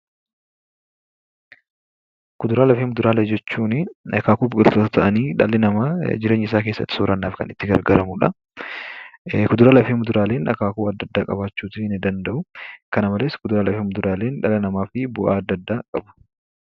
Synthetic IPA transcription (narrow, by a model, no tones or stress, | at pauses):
kʊd̪ʊɾaːlɐfeːmʊd̪ʊɾaːleːd͡ʒɛt͡ʃːuːnɪᶑɐkaːkuːbɪkʼɪlt̪oːt̪ɐt̪ʰɐʔɐniːᶑɐlːɛnɐmad͡ʒɪɾeːɲːɪsaːk̬eːsːɐ̰t̪ːɪ̥soːɾɐnːaːfkɐ̰nɪt̪ːɪɡɐɾɡɐɾɐmʊᶑɐ | kʊd̪ʊɾaːlɐfiːmʊd̪ʊɾaːle̞ːnᶑɐ̰kaːkuːɐd̪ːɐd̪ːaːkʼɐbaːt͡ʃːuːt̪ɪnɪd̪ɐnd̪ɐʔʊkɐnɐmɐleːskʊd̪ʊɾaːlɐfiːmʊd̪ʊɾaːleːnᶑɐlɐnɐmaːfɪbʊʔaːɐd̪ːɐd̪ːaːkʼɐbɐ̥